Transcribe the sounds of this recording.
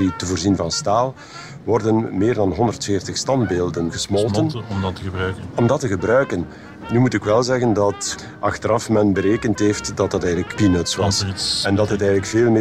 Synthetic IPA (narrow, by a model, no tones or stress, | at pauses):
itəvoːrzinvɑnstaːlˠ | ʋɔrdənmeːrdɑnɦɔndərtfeːrtəxstɑndbeːlˠdənɣəsmɔlˠtənəɔmdɑtːəɣəbɾœɥkən | nymutɪkʋɛlˠzɛɣəndɑt | ʔɑxtəɾɑfmɛnbəɾeːkəntɦeːftdɑtdɑtɛːɣədləkpinətsʋɑsɛndɑtɦətɛːɣələkfeːlˠmː